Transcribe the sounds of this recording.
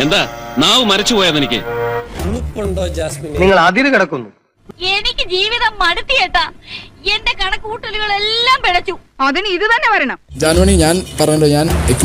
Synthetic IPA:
e̞nd̪aːnaːʋɨmɐɾɐt͡ɕːupo̞ːjaːðenikʲːɨ̰nupːuɳɖoniŋːɐɭaːd̪jɐðɨkiɽɐkːunːu | e̞nikʲːɨd͡ʑiːʋiðɐmːɐɽut̪ːijeːʈːɐendekɐɳɐkːuːʈːɐliɣɐɭe̞lːaːmpiɽɐt͡ɕːuɐðinɨiðɨt̪ɐnːe̞pɐɾɐjɳɐmd͡ʑaːnmɐɳiɲaːnpɐrɐjuɳɖoːɲaːnekːɐ

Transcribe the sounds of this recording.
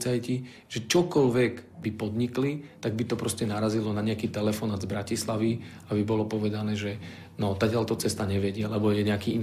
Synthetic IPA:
t͡sajci | ʒ̥ɛt͡ʃɔkɔlʋɛɡbipɔd̪ɲiklit̪aɡ̚bit̪ɔpɾɔscɛnaɾazilɔnaɲɛakiːt̪ɛlɛfɔnaːd̪zbɾacislaʋi | abibɔlɔpɔʋɛd̪anɛːʒɛ | nɔt̪aɡtɪalt̪ɔt͡sɛst̪aɲɛʋɛɟɪalɛbɔjɛɲɛakiin

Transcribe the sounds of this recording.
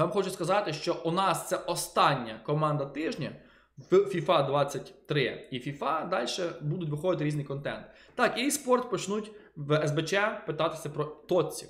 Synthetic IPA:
ʋɑmxɔt͡ʃʊskɐzɑt̪ɪʃt͡ʃɔunɑst̪sɛʔɔst̪ɑnʲːɐkɔmɑnd̪ɐt̪ɪʒnʲɐ | fʲifɑd̪ʋɑt͡sʲːɐtʲt̪ɾɪifʲifɑd̪ɑlʲʃɛbud̪ʊtʲʋɪxɔʋ̪ɪt̪ɪɾʲiznɨɪjkɔnt̪ɛ̰nt̪ | t̪ɑkjspɔrt̪pɔt͡ʃnutʲ | ʋɛzbet͡ʃɛpɪt̪ɑt̪ɪ̥sʲɐpɾɔt̪ɔt͡sʲːi

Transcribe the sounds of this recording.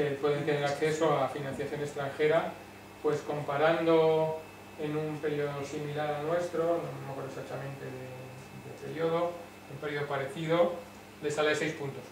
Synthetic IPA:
epo̞ðeɾt̪eneɾakθeso̞alafinãn̟θjaθjone̞st̪ɾaŋxe̞ɾa | pwe̞sko̞mpaɾand̪o | enumpe̞ɾjo̞ðosimilaɾalnwe̞st̪ɾonomimokoɾesat͡ʃamẽ̞nt̪eðe | d̪epe̞ɾjoðo̞ | umpejoðopaɾe̞θiðo̞ | d̪e̞salaesejspunt̪o̞s

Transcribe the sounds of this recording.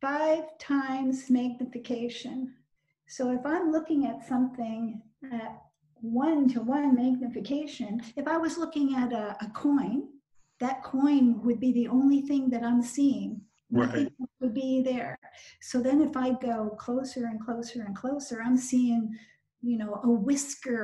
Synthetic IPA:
faɪv̥tʰãɪ̃mzmæɡ̚nɨfɨkʰeɪʃɨ̃n | soʊɨfãɪ̃mlʊkɪ̃ŋɨtsʌ̃mθɪ̃ŋ | ɨt̚ | wʌ̃ntʰəwʌ̃nmæɡ̚nɨfɨkʰeɪʃɨ̃nɨfaɪwʌzlʊkɪ̃ŋɨɾɨəkʰɔ̃ɪ̃n | ðɨt̚kʰɔ̃ɪ̃nwɨd̚biðiʔõʊ̃nliθɪ̃ŋðɨɾãɪ̃msiɪ̃ŋ | nʌθɪ̃wɨd̚biðə˞soʊðɨ̃nɨfaɪd̚ɡoʊkʰl̥oʊsə˞ɨ̃nkʰl̥oʊsə˞ɨ̃nkʰl̥oʊsə˞ãɪ̃msiɪ̃ŋ | jɨnoʊʔəwɪskə˞

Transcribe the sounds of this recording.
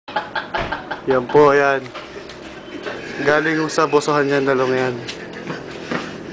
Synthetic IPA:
jɐmpoʔjan | ɡaːlɪŋʊsɐbosoɦanɲanlɐloŋjan

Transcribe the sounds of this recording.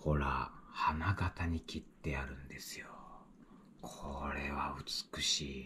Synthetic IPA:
ho̞ɾa̰hanaɡat̪aɲ̟ikʲit̪ːe̞aɾɯ̟̃nd̪e̞sɨjo | kʰoɾe̞βa̰ɯ̟t͡sɨ̥kɯ̟ɕiː

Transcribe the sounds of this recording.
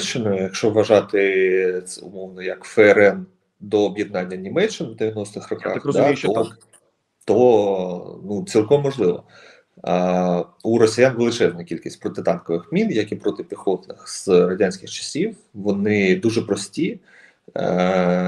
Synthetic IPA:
t͡ʃːɪnɔjʊjɐkʃt͡ʃɔʋːɐʒɑt̪ɪ | ʊ̰mɔwnɔjɐkfɛɛɾɛn | d̪ɔːbʲjɛd̪̚nɑnʲːɐnʲimɛt͡ʃːɪnʋd̪ɪʋʲjɐnɔst̪ɪxrɔkɑ̰xd̪atɔ | t̪ɔ | nut͡sʲilˠkɔmːɔʒlˠɪʋɔ̰ | uɾɔsʲijanʋelˠɪt͡ʃɛznɐkʲilʲkʲisʲtʲpɾɔt̪ɪt̪ɑnkɔʋɪxmʲinjɐkipɾɔt̪ɪpʲixɔt̪nɪxz̥ɾɔdʲanʲsʲkʲɪxt͡ʃɐ̥sʲiw | ʋɔnɪd̪uʒɛpɾɔsʲtʲi

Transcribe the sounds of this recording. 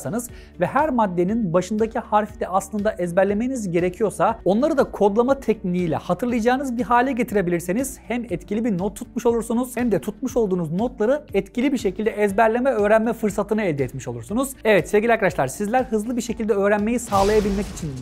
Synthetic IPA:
sanɯz | vɛɦæɾmad̪ːe̞ninbaʃɯnd̪acʰihaɾfid̪ɛaslˠɯnd̪aʔɛzbæɾlʲe̞meinizɟe̞ɾecʰijo̞ɾsao̞nlˠaɾɯd̪akʰo̞d̪lˠamat̪ʰɛc̚nlʲiiːlʲɛ̰hat̪ʰɯɾlˠajad͡ʒaːɯnɯzbiɦaːlʲɛɟe̞t̪ʰiɾe̞bilʲiɾseniz̥hæmɛt̪cʰilʲibinot̪ʰːu̥t̪̚muʃo̞lˠuɾsunuz̥hɛmd̪ɛt̪ʰut̪̚muʃo̞lˠd̪uːnuzno̞t̪lˠaɾɯɛt̪cʰilʲibiɾʃe̞cʰilʲd̪ɛʔɛzbæɾlʲe̞mɛø̞ːɾænmɛfɯɾsat̪ʰɯnɯɛlʲd̪ɛɛt̪miʃo̞lˠuɾsunuz̥ɛvɛt̪sevɟʲilʲakaaʃlˠaɾsizlʲæɾhɯzlˠɯbiɾʃecʰilʲd̪ɛø̞ːɾænme̞jisaːlˠajabilʲmɛcit͡ʃʰin

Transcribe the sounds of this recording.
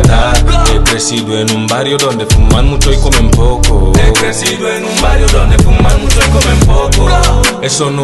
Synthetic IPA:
t̪aekɾesidwenũmbaɾjodondefumanmut͡ʃoikomem̩pokoepɾesidwenũmbaɾjodɔndefummanmut͡ʃoikomem̩pokoesono

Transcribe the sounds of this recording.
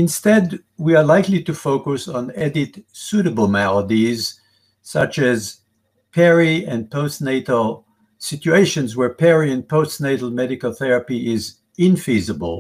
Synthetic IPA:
ɨ̃nstɛd | wiə˞laɪklitɨfoʊkɨsn̩ɛdɪtsuɾəbl̩ˠmɛlˠədiz̥ | sʌt͡ʃɨz | pʰɛɹiɨ̃npʰoʊstneɪɾl̩ˠ | sɪt͡ʃueɪʃɨ̃nzwə˞pʰɛɹiɨ̃npʰoʊsneɪɾl̩ˠmɛɾɨkl̩ˠθɛɹɨpiɪz | ɪ̃nfizəbə̰l̩ˠ

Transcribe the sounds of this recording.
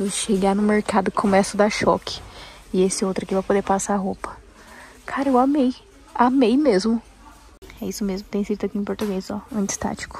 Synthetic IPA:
eʃeɡanʊ̃meɾkad̪ʊkkʰõmɛsʊd̪aʃɔkʰɪ̥ | ɪesɪowt̪ɾɐkivajpod̪eɾpasaaɦopɐ̥ | kʰaɾɐewamej | amejmezmʊ | ɛisʊmezmʊt̪ẽj̃sid͡ʒid̪ɐkiẽpoɾt̪uɡejsɔɐ̃t͡ʃɪ̥st̪a̰t͡ʃi̥kʊ̥

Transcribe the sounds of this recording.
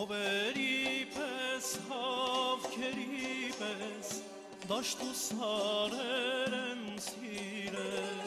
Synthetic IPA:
ɔvɛɾipʰɛshɑvkʰɛɾipʰɛs | d̪ɑʃt̪usɑɾɛɾɛnsiɾɛ

